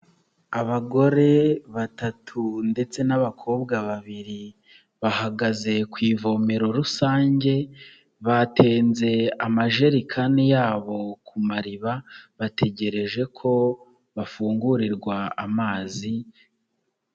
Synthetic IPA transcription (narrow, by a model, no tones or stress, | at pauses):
aβaɡo̞ɾe̞βatatʰunde̞t͡se̞naβakʰo̞ːbɡaβaβiɾi | βahaɡaze̞kwiːvo̞meɾo̞ɾusaːɲɟe̞ | βate̞ːnze̞amaʒe̞ɾikʰanijaːβo̞kʰumaɾiβaβate̞ɟe̞ɾe̞ʒe̞kʰo̞ | βafuːŋɡuɾiɾɡwaamaːzi